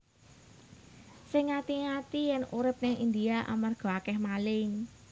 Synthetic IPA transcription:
sɪŋːat̪iŋat̪ijɛnuɾɪp̚nɪŋind̪iaʔa̰marɡ̥o̤akɛhmalɪŋ

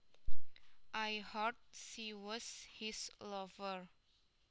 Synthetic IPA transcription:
ʔajhɔt̚siwɔshislɔvəɹ

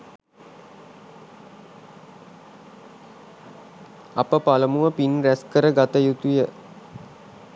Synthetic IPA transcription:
apəpaləmuʋəpinræskəɾəɡat̪əjut̪ujə

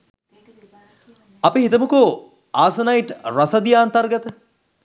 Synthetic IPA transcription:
ɐpiɦit̪əmuko | aːsɐnajʈɾasɐd̪ijaːnt̪arɡɐt̪ə

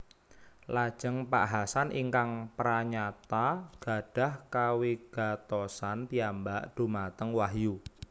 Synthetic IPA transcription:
lad̥ʒ̥əŋpa̰ʔɦasanʔḭŋkaŋpɾaɲat̪aɡ̥a̤ɖ̥a̤hkawiɡ̥a̤t̪osanp̪iambaʔɖ̥o̤mat̪əŋwaɦju

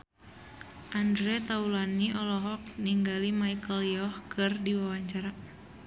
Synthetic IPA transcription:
ʔandɾɛt̪aulaniʔɔlɔɦɔk̚niŋɡalimaikəljɔhkʰɨrdiwawaɲt͡ʃaɾa

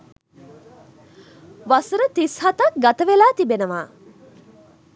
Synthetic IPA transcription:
ʋasəɾət̪ishat̪ɐk̚ɡat̪əʋelaːt̪ibenəʋaː

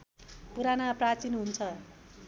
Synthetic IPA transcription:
puɾanaprat͡sinɦunt͡sʰʌ

